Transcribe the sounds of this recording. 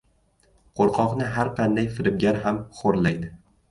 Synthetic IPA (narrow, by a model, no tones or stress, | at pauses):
qʰoɾqʰɒqnɪɦaɾqʰɑnd̪ajfɪɾɪb̚ɡʲaɾɦamχoɾlajd̪ɪ